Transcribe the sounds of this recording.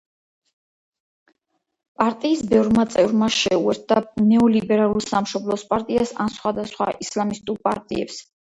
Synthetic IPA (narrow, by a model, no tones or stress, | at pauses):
pʼaɾt̪ʼiːsbɛvɾmat̪sʼɛvɾmaʃɛuɛɾt̪̚ʰd̪anɛɔlibɛɾalˠulˠsamʃɔblˠɔspʼaɾt̪ʼiasa̰nsχwad̪asχwa̰ʔislamist̪ʼuɾpʼa̰ɾt̪ʼḭɛ̰ps